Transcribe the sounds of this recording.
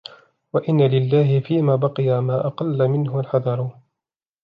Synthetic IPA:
waʔɪnːalɪlːaːɦɪfiːmaːbɑqɨjamaːʔɑqɑlːamɪnɦʊalħɑðˤɑɾˤ

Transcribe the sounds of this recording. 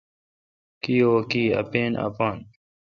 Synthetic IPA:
kiːoːkiːɐ̰peːna̰paːn

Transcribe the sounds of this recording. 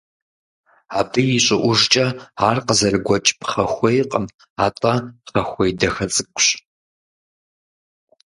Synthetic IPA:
aːbʰɨjɪɕʼɪʔʷʊʐt͡ʃʼɐaːrqəzɐrɨɡʷɔt͡ʃʼpχɐxʷejqʼəm | aːtʼɐχɐxʷejdɐxɐt͡sʼɨkʷʼɕ

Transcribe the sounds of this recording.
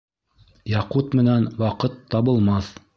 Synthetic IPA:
jɑqut̪mɘ̆nænwɑqɤt̪ʰːɑβɤ̆lˠmɑθ

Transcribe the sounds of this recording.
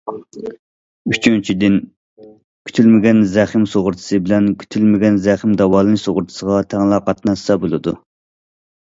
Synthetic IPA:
yt͡ʃʰynt͡ʃʰid̪ɪn | kʲʰy̥t̪ʰylmɪɡʲɛnzɛχɪmsoʁʊɾt̪ʰɨ̥sɨbɪlɛnkʲʰy̥t̪ʰylmɪɡʲɛnzɛæχɪmd̪ɑwɑːlˠɨnɨsoʁʊɾt̪ʰɨ̥səʁɑt̪ʰɛŋlˠɑqʰɑt̪nɑssɑbolˠɨd̪u

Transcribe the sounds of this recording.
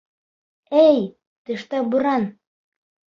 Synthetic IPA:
æj | t̪ɘ̆ʃt̪ɑbuɾɑn

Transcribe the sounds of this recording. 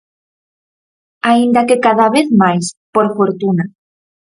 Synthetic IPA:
aind̪akekaðaβ̞eθmajspoɾfoɾt̪una

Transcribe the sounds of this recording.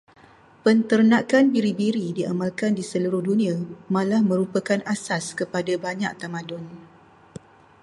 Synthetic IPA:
pənt̪ərnakanbiɾibiɾidiamalkandisəluɾʊhdunĩamãlahmə̃ɾupəkanasaskəpadabaɲa̰k̚t̪amãdʊn

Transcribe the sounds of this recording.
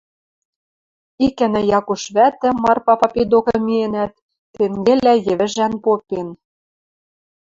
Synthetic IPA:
ikɘ̆nɘ̆jɑkuʃβæt̪ɘ̆mɑrpɑpɑped̪okɤ̆mienæt̪ː | eŋɡĕlæjɘ̆βɘ̆ʒænpopen

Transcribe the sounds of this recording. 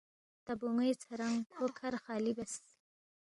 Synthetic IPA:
t̪abuŋəjt͡sʰaɾaŋhokʰaɾxɑlibas

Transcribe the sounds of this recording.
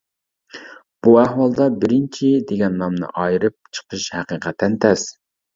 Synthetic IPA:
b̥uɛhwɑlˠd̪ɑbɪɾɪnt͡ʃʰid̪eɡʲɛnːɑmnɨ̰ʔɑjɾɨp̚t͡ʃʰə̥qʰəʃhæqiqʰɛt̪ʰːɛnt̪ʰɛs

